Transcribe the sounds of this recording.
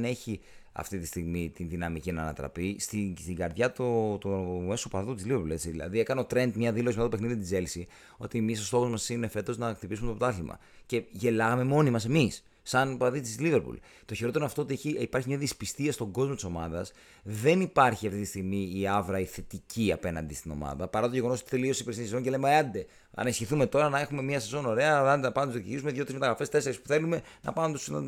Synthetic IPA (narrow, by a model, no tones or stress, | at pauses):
ne̞çiɐ̰ft̪it̪ist̪iɣmit̪inðinɐmicinɐːnɐ̰t̪ɾɐ̰pist̪ist̪iŋɡɐɾðʝɐt̪ot̪umesopɐðut̪izlivepule̞t͡siðilɐ̰ðie̞kɐneo̞t̪ɾe̞nd̪mɲɐðilo̞simet̪ɐt̪opexniðiot̪id͡ze̞lsi | o̞t̪iemiso̞st̪o̞xozmɐsine̞fe̞t̪o̞znɐkt̪ipis̬umet̪ot̪ɐθlimʔɐ̰ | ce̞ʝe̞lɐɣɐme̞mo̞nimɐse̞misː | ɐnpɐðit̪izliveɾpṵl | t̪oçeɾo̞t̪eɾoɐft̪oot̪ieçiipɐɾçimɲɐðispist̪iɐst̪o̞ɡo̞zmot̪iso̞mɐðɐ̰s | ðe̞nipɐɾçiɐft̪it̪ist̪iɣmiːɐvɾɐiθe̞t̪iciɐpe̞nɐ̰nd̪ist̪ino̞̰mɐ̰ðɐpɐɾɐt̪o̞ʝe̞ɣo̞noot̪i̥θe̞liosipɾesinisezo̞nceemeɐnd̪e̞ | ɐ̰nisçiθume̞t̪o̞ɾɐnɐe̞xume̞miɐsezo̞no̞ɾe̞ɐɐnd̪eɐpɐnzðikt̪iʝisume̞ðʝot̪ɾismet̪ɐɣɾɐfe̞st̪e̞seɾispu̥θe̞lume̞nɐ̰pɐnmt̪usn̰